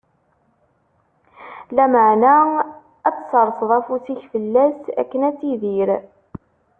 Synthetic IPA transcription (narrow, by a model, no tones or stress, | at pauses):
læməʕnæ | æt͡sːsəɾˤsðˤæfusiçfəlːæsæ̰kːənæt͡sːiðiɾ